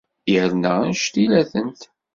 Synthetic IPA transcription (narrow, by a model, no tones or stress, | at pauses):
jəɾnənʃt̪ilæθənt̪